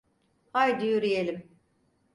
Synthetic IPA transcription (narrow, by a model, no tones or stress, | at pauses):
hajd̪yjyɾijelʲim